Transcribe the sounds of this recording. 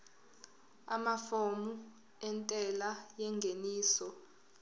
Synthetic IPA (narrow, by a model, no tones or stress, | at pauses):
amafomu | ɛntʼɛlajɛŋɡʱeniːsɔ